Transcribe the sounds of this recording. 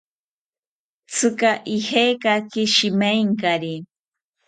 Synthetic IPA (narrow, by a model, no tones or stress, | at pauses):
t͡sʰɨkaʔihejkakɪʃimajŋkaɾi